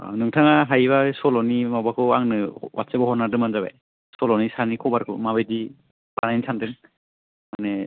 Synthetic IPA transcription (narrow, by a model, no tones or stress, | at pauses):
nɯŋtʰaŋaɦajβasɔlɔnimabakʰɯaŋnɯwʔa̰tsebɔhɔnadɯŋmanzaβa̰j | sɔlɔnisanikʰɔbaɾkʰɯ̰maβejdi | banajnisʰandɯŋ | mane